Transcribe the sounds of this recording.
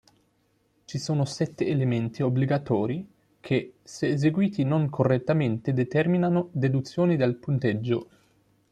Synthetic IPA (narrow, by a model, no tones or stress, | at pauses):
t͡ʃisoːnosɛt̪ːeːlement̪iobliɡat̪ɔːɾi | kʰeseːzeɡwiːt̪inoŋkʰorːet̪ːament̪ed̪et̪ɛrminanod̪ed̪ut̪sːjoːnid̪elpunt̪ed͡ʒːo